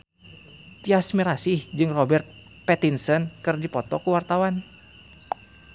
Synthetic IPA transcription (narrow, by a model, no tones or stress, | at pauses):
t̪iasmiɾasihd͡ʒɨŋrɔbɛrt̪̚ | pɛt̪insənkɨrdipɔt̪ɔkuwart̪awan